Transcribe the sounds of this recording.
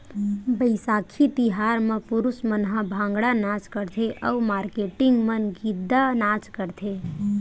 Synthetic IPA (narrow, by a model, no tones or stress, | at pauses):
bəɪsaːkʰit̪ɪɦaːɾmẽpʊɾʊsmənɦãbʱãːŋɡɽanãːt͡ʃkəɾt̪ʰeʔəːmaːɾkeːʈɪŋɡmənɡɪd̪ːanaːt͡ʃkəɾt̪ʰeː